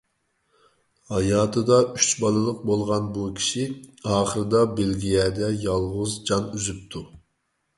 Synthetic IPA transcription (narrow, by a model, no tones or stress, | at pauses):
hɑjɑːt̪ɨd̪ɑʔyt͡ʃbɑlˠɨlˠəq̚bolˠʁɑnbukʲʰi̥ʃiɑːχəɾɨd̪ɑbelɡʲijɛd̪ɛjɑlˠʁʊzd͡ʒɑnyzyp̚t̪ʰu